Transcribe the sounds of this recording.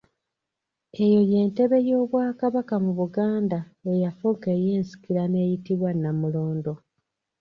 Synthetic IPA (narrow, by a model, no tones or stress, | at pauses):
e̞jo̞je̞ːnte̞βe̞jo̞ːβwaːkaβakamuβuɡaːndaejafuŋke̞je̞ːnsi̥kiɾane̞ːjitiβwanːamulo̞ːndo̞